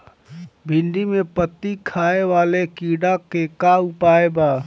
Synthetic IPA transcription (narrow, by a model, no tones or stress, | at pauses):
bʱɪnɖ̪imepət̪ːikʰaːeʋaːlekiːɖakekaupaːeba